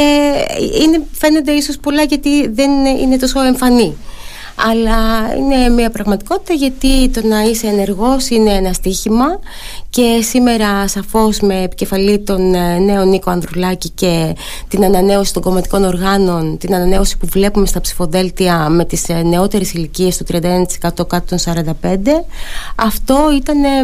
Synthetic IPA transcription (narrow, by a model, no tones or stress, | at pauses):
eine̞fe̞ne̞nd̪e̞iso̞spolɐʝɐt̪iðe̞nḭne̞t̪o̞so̞e̞ɱfɐni | ɐlɐḭne̞miɐpɾɐɣmɐt̪i̥ko̞t̪i̥t̪ɐʝɐt̪it̪o̞nɐise̞ːne̞ɾɣo̞sine̞enɐst̪içimɐ | ce̞sime̞ɾɐsɐfo̞zme̞ːpi̥ce̞fɐlit̪o̞nne̞o̞niko̞ɐnd̪ɾolɐcice̞ | t̪inɐnɐne̞o̞si̥t̪o̞ŋɡo̞mɐt̪i̥ko̞no̞ɾɣɐno̞nt̪inɐnɐne̞o̞si̥puvle̞pume̞st̪ɐpsi̥fo̞ðe̞lt̪iɐme̞t̪isne̞o̞t̪e̞ɾe̞silicie̞st̪ot̪ɾiɐnd̪ɐnɐt̪isekɐt̪o̞kɐt̪ot̪onsɐɾɐnd̪ɐpe̞nd̪e̞ɐft̪o̞it̪ɐne̞